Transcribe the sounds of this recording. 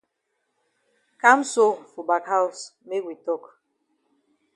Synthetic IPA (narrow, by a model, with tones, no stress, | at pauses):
ka˦mso˦fu˨ba˨kha˦u˨sme˦kwi˨tɔ˦˨k